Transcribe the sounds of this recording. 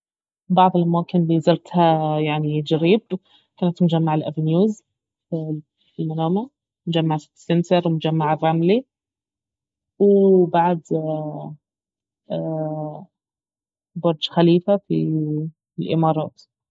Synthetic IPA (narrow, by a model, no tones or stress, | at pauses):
bɑʕd̪ˤelʔæmæːkɪnlizɑɾt̪hæjaʕnid͡ʒaɾiːb | kæːnæt̪mʊd͡ʒæmːaʕalʔævnjuːz | f | lmænaːma | mʊd͡ʒæmːaʕ̥ | sensɑɾˤwemʊd͡ʒæmːaʕerˤːɑmli | webaʕd̪ | bɑɾˤd͡ʒxæliːfafi | lʔɪ̰mɑːɾˤɑ̰ːt̪